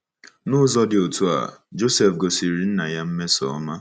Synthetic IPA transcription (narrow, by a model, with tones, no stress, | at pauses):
nʊ˦zɔ˦dɪ˨o˨tu˦a̰˨d͡ʒo˦se˨fɡo˨si˨ɾi˨n̩˦na˨ja˦m̩˦me˦sɔ̰˨ɔ˦ma˦